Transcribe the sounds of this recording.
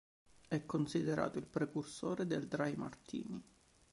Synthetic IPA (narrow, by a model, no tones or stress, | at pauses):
ɛkːonsid̪eɾa̰ːt̪oilpɾekursoːɾed̪eld̪ɾajmart̪ḭːni